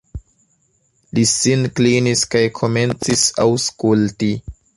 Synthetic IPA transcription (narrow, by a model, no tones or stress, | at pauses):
lisinkliniskajkʰo̞me̞nt͡sisawskulti